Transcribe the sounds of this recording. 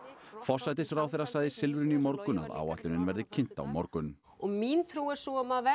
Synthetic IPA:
fɔr̥sajt̪ɪsraːwθɛɾːasaɣjðɪsɪlvɪɾʏnimɔɾkʏna̰ða̰ːwa̰t̪lʏnɪnvɛɾðɪcʰɪn̥t̪a̰wmɔ̰ɾkʏn | ɔɣmint̪ʰɾuːɣɛɾ̥suamavɛ

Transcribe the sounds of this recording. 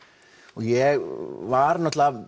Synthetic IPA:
ɔjɛvaɾnɔt̪ʰla

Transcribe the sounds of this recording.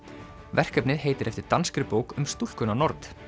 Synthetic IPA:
vɛr̥kœpnɪðɦeːjt̪ɪɾɛft̪ɪɾ̥t̪anskɾɪpoːwkʏmst̪ul̥kʏnanɔɾt̪

